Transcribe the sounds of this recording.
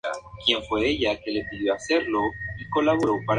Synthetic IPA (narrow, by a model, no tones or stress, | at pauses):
a̰kje̞ɱfwe̞e̞ʝake̞le̞piðjo̞ase̞ɾlo̞iko̞laβo̞ɾo̞paɾ